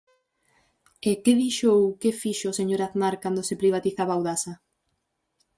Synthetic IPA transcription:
ekeðiʃowkefiʃoseɲoɾaðnaɾkand̪oʊsepɾiβ̞at̪iθaβaːwðasa

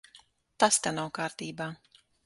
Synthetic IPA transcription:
t̪ast̪anawkaːɾt̪iːbaː

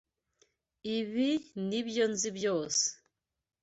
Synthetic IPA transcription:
iβiniβjonzibjoːse̥

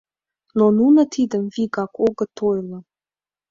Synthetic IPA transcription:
nonunə̆t̪ʰid̪əmviɣɑkʰoɣə̆t̪ʰojlˠɤ̆

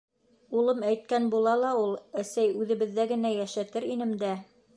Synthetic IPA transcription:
ulˠɤmæjt̪̚kænbulˠɑlˠɑulˠæsæjʉðɘ̆βɘ̆ðːæɡɘ̆næjæʃæt̪ɘɾinɘ̆md̪æ

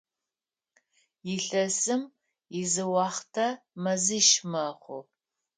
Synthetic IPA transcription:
jɪɬɐsɨm | jɪzɨwɑːχtʰɐmɐzɨʃmɐχʷʊ̰

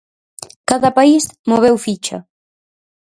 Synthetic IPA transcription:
kaðɐpaismoβ̞ɛwfit͡ʃɐ̰

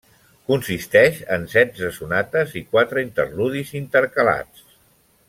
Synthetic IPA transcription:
kunsist̪ɛʃənsɛd͡zəsunat̪əzikwat̪ɾəint̪ərluðizint̪əɾkəla̰t͡s

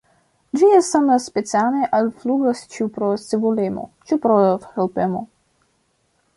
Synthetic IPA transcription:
d͡ʒiesamaspet͡sianeʔalfluɡast͡ʃiupɾosevulemo̰t͡ʃupɾoxelpemo

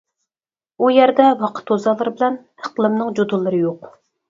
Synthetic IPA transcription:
ujɛɾd̪ɛwɑqʰə̥t̪ʰːozɑlˠəɾɨbɪlɛn | hə̥qlˠɨmnɨŋd͡ʒod̪ulˠːɨɾɨjoq

